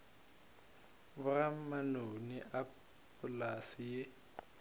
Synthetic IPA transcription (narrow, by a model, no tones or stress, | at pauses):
bʊrammanoniʔa | pʰʊlasije